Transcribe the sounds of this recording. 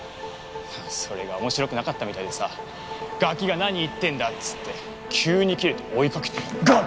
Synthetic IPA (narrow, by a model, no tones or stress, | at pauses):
aso̞ɾe̞ɡao̞mo̞ɕiɾo̞kɯnakat̪ːamit̪aid̪e̞sa | ɡ̥akʲiɡanaɲ̟iːt̪ːẽ̞nd̪att͡sɨ̥t̪ːe̞ | kʲʰɨːɲ̟ikʲiɾɯ̟t̪o̞oikakɯ̟̥t̪eɡa